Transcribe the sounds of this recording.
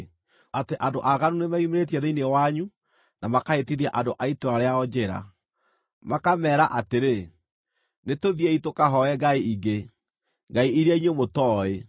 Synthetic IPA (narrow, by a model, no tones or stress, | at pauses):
ateʔandoʔaɣanunemaimeɾet̬iɛðeinewaɲu | namakaetiðjaʔandoʔaitoɾaɾeaɔd͡ʒeɾa̰ | makamɛːɾaʔateɾe | netoðiɛitokaɦɔɛɡaiiɡe | ŋɡaiiɾjaiɲomotɔːe